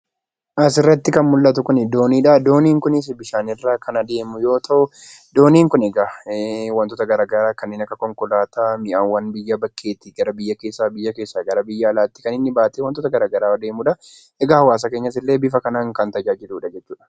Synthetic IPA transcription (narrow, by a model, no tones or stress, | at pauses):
ʔɐsɪrːɐt̪ːɪkɐnmʊlːɐt̪ʊkʊnɪd̪o̞ːniːᶑɐd̪o̞ːniːŋkʊnɪs̬bɪʃaːnɪrːaːkɐnɐd̪e̞ːmʊjo̞ːt̪ʰɐʔʊ | d̪o̞ːniːŋkʊnɛɡawɐnt̪ɔːt̪ɐɡɐɾaːɡɐɾaːkɐnːeːnɐkːɐkɔŋkɔlaːt̪aːmɪʔaːnwɐnbɪjːɐbɐkʰːe̞ːt̪ɪɡɐɾɐbɪjːɐke̞ːsːaːbɪjːɐkeːsːaːɡɐɾɐbɪjːaːlaːt̪ːɪ̥kɐnɪnːɪbaːt̪eːwɐnt̪ɔːt̪ɐɡɐɾaːɡɐɾaːd̪e̞ːmʊᶑɐ | ɛɡɐhɐwaːs̬ɐkeːɲːɐs̬ɪlːe̞ːbɪfɐkɐnaːŋkɐnt̪ɐd͡ʒaːd͡ʒɪluːᶑɐd͡ʒɛt͡ʃːuːᶑɐ̥